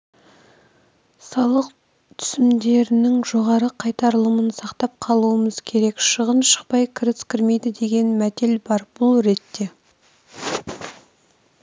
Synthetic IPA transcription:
sɑlˠəq | t̪ʰʏ̥sɪmd̪e̞ɾɪnɪŋʒo̞ʁɑɾəqʰɑjt̪ɑɾlˠəmənsɑqt̪ɑp̚qʰɑlˠuəməzkʲʰe̞ɾe̞kʃəʁənʃə̥q̚pɑjkʲʰɪɾɪskʲʰɪɾme̞jd̪ɪd̪e̞ɡʲe̞nmæt̪e̞lbɑɾb̥ʊlˠɾe̞t̪ːe̞

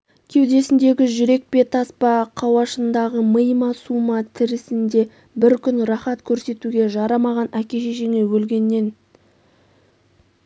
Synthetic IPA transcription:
kʲʰe̞wd̪e̞sɪnd̪e̞ɡʲɪʒʏɾe̞k̚pe̞t̪ʰɑspɑqʰɑwɑʃənd̪ɑʁəməjmɑsumɑt̪ʰɪɾɪsɪnd̪e̞ | bɪɾkʲʰʏnrɑχɑt̪kʲʰɵɾse̞t̪uɡʲe̞ʒɑɾɑmɑʁɑnækʲe̞ʃeʒe̞ŋe̞wɵlɡʲe̞nːe̞n

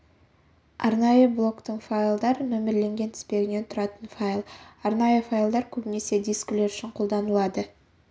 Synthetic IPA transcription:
ɑ̰ɾnɑjəblˠo̞kt̪əŋfajlˠd̪ɑɾəmɵmɪɾle̞ŋɡʲe̞nt̪ʰɪ̥spe̞ɡʲɪne̞nt̪ʰʊɾɑt̪ənfajlˠɑɾnɑjəfajlˠd̪ɑɾkʲʰɵbɪne̞se̞d̪ijskle̞ɾʏʃɪɴqʰo̞lˠd̪ɑnəlˠɑd̪ə

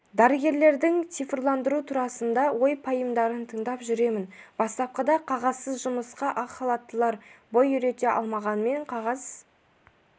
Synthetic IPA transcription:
d̪æɾəɡʲe̞ɾle̞ɾd̪ɪŋt̪ʰifrlˠɑnd̪əɾut̪ʰuɾɑsənd̪ɑwo̞jpʰɑjəmd̪ɑɾənt̪ʰəɴd̪ɑpʒʏɾe̞mɪnb̥ɑst̪ɑp̚qɑd̪ɑqʰɑʁɑzsəzʒʊməsqɑʔɑχɑlˠɑt̪ːəlˠɑɾbo̞jʏɾe̞t̪e̞ʔɑ̰lˠmɑʁɑnme̞ɴqʰɑʁɑz̥

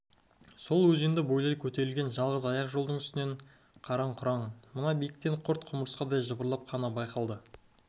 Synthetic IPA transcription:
so̞lˠwɵziend̪ɪbo̞jlˠɑjkʲʰɵt̪e̞ɾɪlɡʲe̞nʒɑlˠʁəzɑjɑqʒo̞lˠd̪əɴʏst̪ɪne̞ɴ | qʰɑɾɑɴqʰʊɾɑɴmənɑbijɪk̚t̪eɴqʰʊɾt̪qʰʊməɾəsqɑd̪ɑjʒəbəɾlˠɑp̚qʰɑnɑbɑjqɑlˠd̪ə

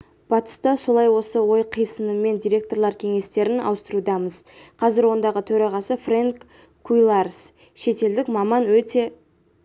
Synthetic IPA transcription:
b̥ɑt̪ə̥st̪ɑso̞lˠɑjwo̞səwo̞jqʰijsənəmːe̞nd̪ijɾʲe̞k̚t̪o̞ɾlˠɑɾkʲʰe̞ŋe̞st̪e̞ɾɪnɑ̰wəst̪əɾud̪ɑməzqʰɑzɪɾwo̞nd̪ɑʁət̪ʰɵɾɑʁɑsəfraŋkː | ujlˠars | ʃe̞t̪e̞ld̪ɪkmɑmɑnwɵt̪e̞

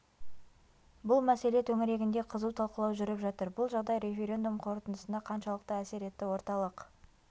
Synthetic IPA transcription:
bʊlˠmæse̞le̞t̪ʰɵŋɪɾe̞ɡʲɪnd̪e̞qʰəzuwt̪ʰɑlˠqəlˠɑwʒʏɾɪpʒɑt̪əɾbʊlˠʒɑʁd̪ɑjɾe̞fʲe̞ɾʲe̞nd̪umqʰo̞ɾt̪ənəsənd̪ɑqʰɑnʃɑlˠəq̚t̪əæse̞ɾe̞t̪ːɪwo̞ɾt̪ɑlˠəq

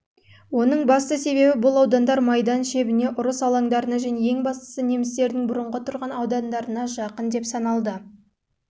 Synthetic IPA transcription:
wo̞nəɴbɑst̪əse̞βe̞bɪbʊlˠɑwd̪ɑnd̪ɑɾmɑjd̪ɑnʃe̞bɪne̞ʔʊɾəsɑlˠɑŋd̪ɑɾənɑʒæne̞je̞ŋbɑst̪ə̥səne̞mɪst̪e̞ɾd̪ɪŋbʊɾəɴʁət̪ʰʊɾʁɑnɑwd̪ɑnd̪ɑɾənɑʒɑqənd̪e̞psɑnɑlˠd̪ə

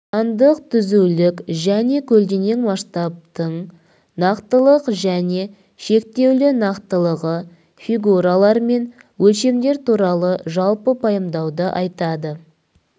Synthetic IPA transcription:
ɑnd̪əqt̪ʰʏzulɪkʒæne̞kʲʰɵld̪e̞ne̞nmɑʃt̪ɑp̚t̪əɴ | nɑqt̪əlˠəqʒæne̞ | ʃe̞k̚t̪e̞wlɪnɑqt̪əlˠəʁə | fʲiɡuɾalˠɑɾme̞n | wɵlʃe̞md̪e̞ɾt̪ʰuɾɑlˠəʒɑlˠpəpʰɑjəmd̪ɑwd̪əʔɑjt̪ɑd̪ə

